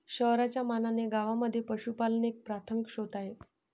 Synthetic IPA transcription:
ɕəɦɾat͡ɕjamananeɡaʋaməd̪ʱːjepəɕupalneek̚pɾat̪ʰəmikɕot̪aɦe

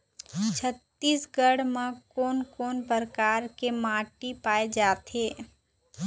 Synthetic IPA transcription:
t͡ʃʰət̪ːiːsɡəɽmãkoːnkoːnpəɾkaːɾkemaːʈipaːed͡ʒaːt̪eː

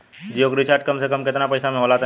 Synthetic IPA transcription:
d͡ʒiokɾɪt͡ʃaɾʈ̚kəmsekəmkɪt̪napəjsamẽɦolat̪

